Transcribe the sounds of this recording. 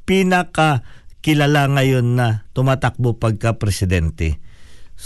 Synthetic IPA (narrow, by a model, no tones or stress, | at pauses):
piːnɐkɐkɪlalaŋɐjo̞nːɐt̪ʊmaːt̪ak̚bopɐɡ̚kɐpɾɛsɪd̪ɛnt̪ɛ